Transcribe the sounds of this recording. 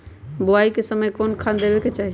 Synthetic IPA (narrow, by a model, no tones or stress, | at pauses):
boaikesəməjkonkʰand̪ebeket͡ʃaɦi